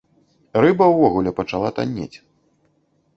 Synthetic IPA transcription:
rɨbɐwvɔɣulʲɛpɐt͡ʂalˠat̪a̰nʲːḛt͡sʲ

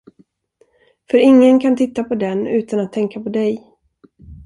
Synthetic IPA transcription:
fœɾɪŋːənkʰant̪ʰɪt̪ːapʰɔd̪ɛnʉ̟ːt̪anat̪ʰːɛŋkapʰɔd̪ɛj

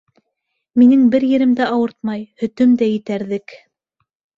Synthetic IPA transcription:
minɘŋbɘɾjɘ̆ɾɘ̆md̪æɑwɤɾt̪̚mɑjhɵ̆t̪ɵmd̪æjɘ̆t̪æɾðɘk

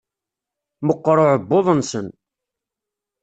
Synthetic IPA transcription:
məqːɾˤoʕəbːoðˤənsən

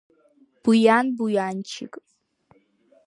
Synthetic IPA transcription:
b̥ujaːnbujaːnt͡ʃʰɪ̰kʼ

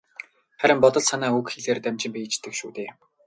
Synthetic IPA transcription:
χæɾʲɪ̆mpɔt̪ɞ̆ɮsanæːukxeɮeːrt̪æmt͡ɕɪ̆mpit͡ɕt̪ɘ̆kʃṵːt̪eː

